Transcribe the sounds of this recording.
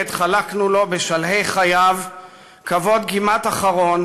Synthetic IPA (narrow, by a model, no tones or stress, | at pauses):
d̪χalaknulo̞beʃalɦe̞jχajav | kavo̞d̪ɡimat̪aχaʁo̞n